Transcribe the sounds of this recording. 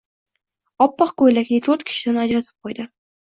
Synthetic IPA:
ɒpːɑqkojlak̪ʲɪt̪ʰɵɾt̪kʲʰɪ̥ʃɪ̥d̪anad͡ʒɾat̪ʰɪ̥p̚qʰojd̪ɪ

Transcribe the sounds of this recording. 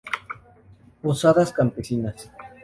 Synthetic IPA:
posaðaskampesinas

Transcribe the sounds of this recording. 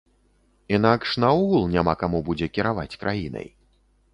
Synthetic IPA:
inakʂnɐuɣulˠnʲamakamubud͡zʲɛkʲiɾavat͡sʲkɾʔajinɐ̰j

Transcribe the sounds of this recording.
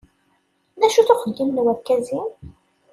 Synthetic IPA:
næʃuθʊχəɡːimnwækːæzi

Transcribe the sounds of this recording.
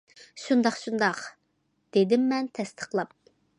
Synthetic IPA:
ʃund̪ɑχʃund̪ɑq | d̪̥ed̪ɪmːɛnt̪ʰɛst̪ʰəχlˠɑp̚

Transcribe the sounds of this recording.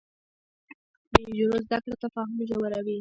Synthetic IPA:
beʒoɾozd̪akɽot̪afɑɦʊmʒawəɾawi

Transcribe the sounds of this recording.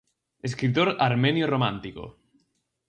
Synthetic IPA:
eskɾit̪oɾaɾmenjoromãnt̪iko̰

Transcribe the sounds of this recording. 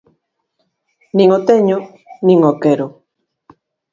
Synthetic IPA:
nĩŋot̪eɲo | nĩŋokeɾo

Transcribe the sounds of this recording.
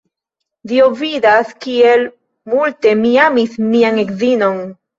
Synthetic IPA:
diobvidaskiel | multe̞miamismianekzino̞n

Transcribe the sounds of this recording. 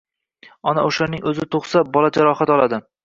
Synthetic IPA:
ɒnaoʃaɾnɪŋɵzɪt̪ʰoχsabɒlad͡ʒaɾɒhat̪ɒlˠad̪ɪ

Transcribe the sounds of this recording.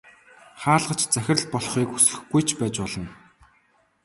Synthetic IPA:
χaːɮʁə̆t͡ɕt͡sæxʲɪ̆rɮpɔɮχiːkusɘ̆xɡujt͡ɕʰpæːt͡ɕpɔɮɞ̆n

